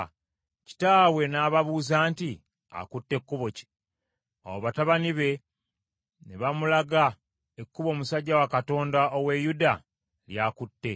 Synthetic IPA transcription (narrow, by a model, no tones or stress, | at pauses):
ci̥taːwe̞naːβaβuːzaːnti | a̰kutːe̞kːuβo̞ci̥ | o̰woβataβaniβe̞ | neβamulaɡa | ekːuβo̞ːmusaɟːawakato̞ːndaʔowe̞juda | ljakutːe̞